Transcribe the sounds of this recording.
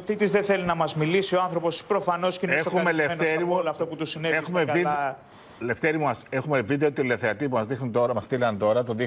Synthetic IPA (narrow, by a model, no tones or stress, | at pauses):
ot̪it̪izðeθelinɐmɐzmilisioɐnθɾopo̞spɾo̞fɐno̞scineoxumelent̪eɾimuloɐft̪oput̪usineexumeɐiɐ | le̞ft̪eɾimumɐsexumevid̪eot̪ileθeɐt̪ipumɐzðixnunt̪o̞ɾɐmɐst̪ilɐnt̪o̞ɾɐt̪oði